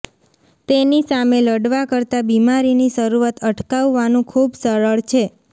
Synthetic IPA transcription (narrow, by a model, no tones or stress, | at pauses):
t̪enisameləɽʋakəɾt̪abimaɾiniʃəɾuʋat̪ʰəʈʰkaʋːanũkʰubsəɾəɭt͡ʃʰe